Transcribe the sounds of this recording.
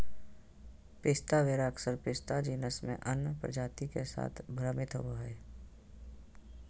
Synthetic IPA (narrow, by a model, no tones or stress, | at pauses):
pɪst̪aʋeːɾaəksəɾpɪst̪ad͡ʒiːnəsmḛ̃ʔənpɾə̰d͡ʒaːt̪ikesa̰ːt̪ʰbʱɾəmɪt̪ɦo̰oɦɛː